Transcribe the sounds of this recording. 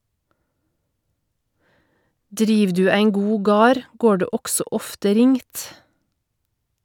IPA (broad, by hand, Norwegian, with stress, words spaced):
ˈdɾiːʋ ˈdʉː ˈæɪn ˈɡuː ˈɡɑːɾ ˈɡoː ˈɖeː ˈɔɡsɔ ˈɔftə ˈɾɪŋt